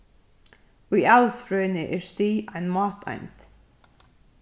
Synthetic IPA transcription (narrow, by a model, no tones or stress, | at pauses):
wiːɛlˠsfɹœːnɪʔɪɹst̪iːanmɑːt̪ʰa̰jnt̪